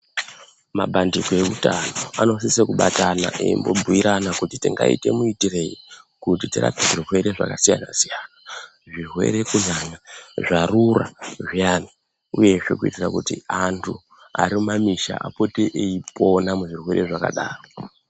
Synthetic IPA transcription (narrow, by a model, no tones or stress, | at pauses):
maɓandikoe̞kutano̞ano̞s̬isekuɓatana̰ʔeimbo̞bʱujiɾanakutitiŋɡaḭte̞̰muitire̞ikutitiɾa̰peʐirwe̞ɾe̞ʐa̰kasijanasijana | ʐirwe̞̰ɾe̞kuzanaʐaruraʐijani | uje̞ʐe̞̰kuitirakutiantʰu | aɾimumamiʃa̰ʔapo̞teʔeipo̞namuʐirwe̞ɾe̞ʐaka̰ɗaːro